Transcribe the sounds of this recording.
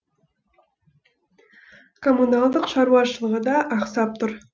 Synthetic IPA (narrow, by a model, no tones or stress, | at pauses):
kʰomːunalˠd̪əqʃɑɾuɑʃəlˠəʁəd̪ɑʔɑqsɑp̚t̪ʰʊɾ